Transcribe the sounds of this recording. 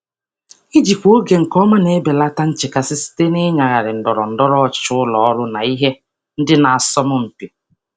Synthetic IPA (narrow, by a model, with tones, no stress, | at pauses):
i˦d͡ʒi˨kʷo˦ɡe˨ŋ̩˨kɔ˦mʊ˦ne˨˦be˨la˦ta˦n̩˦t͡ʃɪ˨ka˦sɪ˦si̥˦te˦ne˦ɲa˨ɣa˨ɾɪ˨n̩˨dɔ˨ɾɔ˨n̩˨dɔ˦ɾɔ˦˨t͡ʃʊ˦ʊ˦lɔ˨ɔ˦lʊ˦na˨i˦ɦe˦ | n̩˦dɪ˦na˨a˨sɔ˦mʊ˦m̩˨pi˨